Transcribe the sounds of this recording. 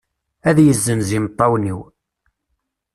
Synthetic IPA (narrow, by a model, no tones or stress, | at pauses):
æðjəzːənzimt̪ˤːɑwniw